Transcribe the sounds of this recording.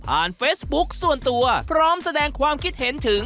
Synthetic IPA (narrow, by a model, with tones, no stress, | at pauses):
pʰaː˨˩nfeː˦˥t̪̚bu˦˥k̚su˨˩ənt̪u˧ɐpʰɾɔː˦˥msa˧dɛː˧ŋkʰwaː˧mkʰi˦˥t̪̚he˩˦nt̪ʰɯ˨˩˦ŋ